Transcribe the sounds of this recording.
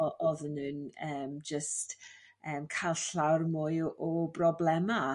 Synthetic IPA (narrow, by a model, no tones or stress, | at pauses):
ʔɔðənɨnəːmd͡ʒəst | əːmkʰajlˠɬawrmujʔɔbrɔblɛma